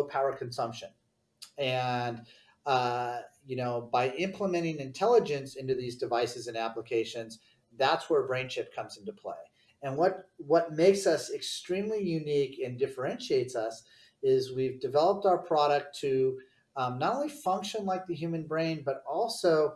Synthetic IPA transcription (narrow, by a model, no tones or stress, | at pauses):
ʊpʰaʊə˞kʰn̩sʌ̃mpʃɨ̃n | ɨ̃n | ʌjɨnoʊbaɪʔɪ̃mpʰləmɛ̃ɾ̃ɪ̃ŋɨ̃ntʰɛlˠəd͡ʒɨ̃nsɪ̃ntʉðizdɨvaɪsɨzɨ̃næpləkʰeɪʃɨ̃nz | ðætswə˞bɹẽɪ̃nʃɪp̚kʰʌ̃mzɨ̃ntupʰl̥ḛɪ | ɨ̃nwʌt̚wʌt̚meɪksʌsɨkstɹ̥ĩmlijʉnikɨ̃ndɪfə˞ɛ̃nʃieɪtsʌs | ɪzwivdɨvɛlˠəp̚taʊə˞pʰɹ̥ɑɾɨk̚tʰɨ | nəɾõʊnlifʌ̃ŋkʃə̃nlaɪk̚ðɨjʉmɨ̃nbɹẽɪ̃nbʌɾɔlˠsoʊ